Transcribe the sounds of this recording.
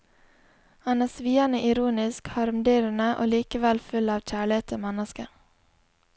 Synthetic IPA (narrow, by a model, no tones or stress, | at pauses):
hɑnæːsʋiːɑnəʔɪɾuːnɪskhɑɾmd̪yːɾnəʔo̰ːliːkəʋɛlfʉlɑːʋc͡çæːɭɪheːt̪ʰəmɛnəskə